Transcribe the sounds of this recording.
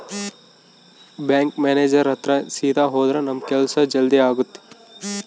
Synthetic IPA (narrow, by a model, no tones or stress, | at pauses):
bɛ̃ːŋkmeːneːd͡ʒɐɾɦɐt̪ɾɐsiːd̪ʱaɦoːd̪ɾɐnɐmkelsɐd͡ʒɐld̪iaːɡut̪ːi̥